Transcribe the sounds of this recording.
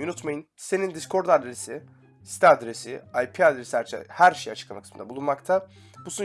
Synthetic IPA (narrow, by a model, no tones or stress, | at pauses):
unut̪majɯnse̞nind̪iskʰo̞ɾd̪ad̪ɾesi | si̥t̪ʰiad̪ɾesiajpʰiad̪ɾesḭhæɾʃe̞jat͡ʃʰɯ̥klˠamakɯ̥smɯnd̪abulˠunmakt̪ʰa | busu